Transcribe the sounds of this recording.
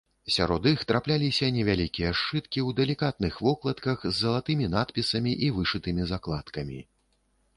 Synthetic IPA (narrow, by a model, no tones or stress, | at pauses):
sʲaɾɔd̪ixt̪ɾaplʲalʲisʲɐnʲɛvʲalʲikʲijɐʂt͡ʂɨt̪kʲiwd̪ɛlʲikat̪̚nɨxvɔklˠɐt̪kɐxzːɐlˠat̪ɨmʲinat̪pʲisɐmʲiʔivɨʂɨt̪ɨmʲizaklˠat̪kɐmʲḭ